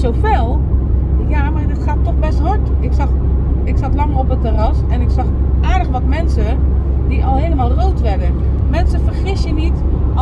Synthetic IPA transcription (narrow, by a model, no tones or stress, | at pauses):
sofelˠ | jamardɪtxattːɔxbɛsthɔtɪksɑxɪksatlɑŋɔpətərasɛnɪksɑx | ʔaːɹdəxʋɔtmɛnsə | diʔɔlˠheːləmaːlˠroːtʋɛɹdə | mɛnsəfərxɪsjənit